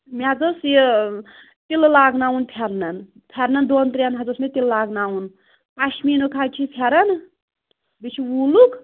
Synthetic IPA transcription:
mead͡zosje | t̪illaːɡnaunpʰeɾnɐn | pʰeɾnɐnd̪ont̪ɾʲjanɦɐd͡zosmet̪illaːɡnawun | paʃminukʰat͡ʃʰipʰeɾɐn | bit͡ʃʰiwuluk

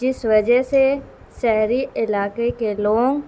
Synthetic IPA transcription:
d͡ʒɪsʋɐd͡ʒəɦse | ʃɛɦɾiɪlaːkekeloːŋ

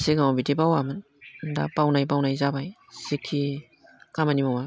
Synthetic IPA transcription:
siɡamabitipawamɯn | da̰pawnajp̬awnajzabaj | sikʰːi | kamanimawa

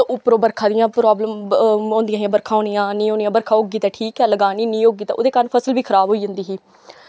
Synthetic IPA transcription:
ʊpɾoːbəɾkʰãːd̪ɪjãːpɾɔːbləmõːnd̪ɪjãːɦiãːbəɾkʰãːɦoːnɪjãːnĩːõːnijãːbəɾkʰaːoːɡiːt̪ɛːʈʰiːkɛːləɡaːniːnĩːoːɡiːt̪ɛ̰ʔo̰ːd̪eːkəɾənpʰəsəlʋiːkʰəɾaːbɦoːiːd͡ʒə̃nd̪iːɦiː

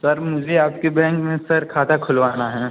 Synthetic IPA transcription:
sɐɾmʊd͡ʒʱeaːpkebɛ̃ːŋkmẽsɐɾkʰaːt̪ʰakʰʊlʋaːnaɦɛ̃ː

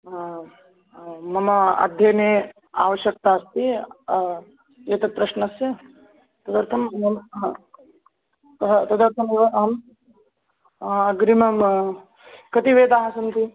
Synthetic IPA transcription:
mɐmɐɐ̰d̪ʱjɐneː | a̰ːʋɐʃjɐk̚t̪aːst̪i | jeːt̪ɐk̚pɾɐʃnɐsjɐ | t̪ɐd̪ɐɾt̪ʰɐmɐm | ɐɦt̪ɐd̪ɐɾt̪ʰɐmʋɐɐɦɐm | ɐɡɾimɐm | kɐt̪iʋeːd̪aːɦɐsɐnt̪i

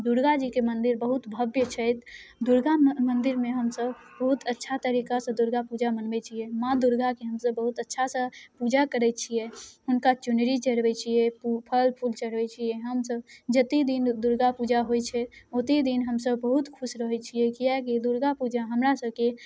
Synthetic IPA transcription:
d̪uɾɡad͡ʒikemənd̪iɾbəɦut̪bʱəbjət͡ʃʰɛjt̪d̪uɾɡamənd̪iɾmeɦəmsəb | bəɦut̪ətːʃʰat̪əɾikasə̃d̪uɾɡapud͡ʒamənbɛt͡ʃʰijɛmãd̪uɾɡakeɦəmsəbːəɦut̪ətːʃʰasə̃pud͡ʒakəɾɛt̪̚t͡ʃʰijeɦunkat͡ʃunɾit͡ʃəɽbɛt͡ʃʰiɛpupʰəlpʰult͡ʃəɽbɛt͡ʃʰijɛɦəmsəbd͡ʒət̪id̪ind̪uɾɡapud͡ʒaɦojt͡ʃʰɛt̪ot̪id̪inɦəmsəbbəɦut̪kʰusɾəɦɛt͡ʃʰijekiaked̪uɾɡapud͡ʒaɦəmɾasəbke

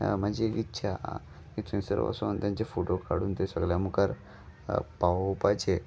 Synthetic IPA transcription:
mad͡ʑikitːɕʰa̰ | kit̪ʰuĩsə̰ɾʋa̰sont̪jãɲt͡ɕafoʈokʰaɽuːnt̪esəɡljamukaɾ | paʋpajt͡ɕʰe

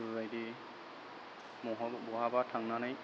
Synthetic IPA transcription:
bajdi | mɔɦɔbɔɦabatʰaŋnanaj

